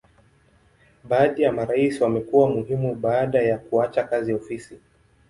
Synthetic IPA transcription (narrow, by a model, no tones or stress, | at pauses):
ɓaːɗijamaɾaisiwamɛkuwamuhimuɓaːɗajakuat͡ʃakaziɔfisi